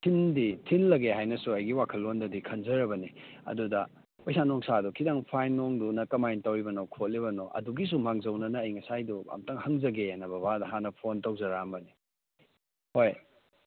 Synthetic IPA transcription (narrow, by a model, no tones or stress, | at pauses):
tʰinditʰinlɐɡeɦajnɐsuɐjɡiwakʰɐlːondɐdikʰɐnzɐɾɐbɐniɐ̰dudɐ | pojsanoŋsadukʰidaŋpʰajnːoŋdunɐkɐmajntawibɐnokʰot̚libɐnoʔɐ̰duɡis̬umaŋzɐwnɐnɐːjŋɐsajdua̰mtɐŋhɐŋzɐɡenɐbɐbadɐɦanɐpʰontɐwzɐɾambɐni | hoj